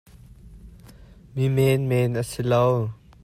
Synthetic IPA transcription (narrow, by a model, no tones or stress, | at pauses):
mimɛnmɛːnəsilow